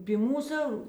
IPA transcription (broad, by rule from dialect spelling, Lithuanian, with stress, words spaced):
pʲiː ˈmuːsʊ